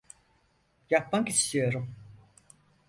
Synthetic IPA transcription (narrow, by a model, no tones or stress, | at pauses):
jak̚baŋkist̪ijo̞ɾum